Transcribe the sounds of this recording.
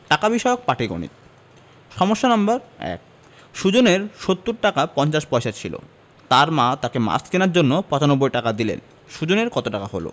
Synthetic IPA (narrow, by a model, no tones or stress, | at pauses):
ʈakabiʃɔeok̚paʈiɡo̰nḭt̪ | ʃɔmoʃːanambaɾɛ̰k̚ | ʃud͡ʑoneɾʃot̪ːuɾʈakapɔnt͡ɕaʃpɔjʃat͡ɕʰilo̰ | t̪aɾmat̪akema̰skinaɾd͡ʑonːopɔt͡ɕanobːojʈakad̪ilḛn | ʃud͡ʑoneɾkɔt̪oʈakaɦo̰lo̰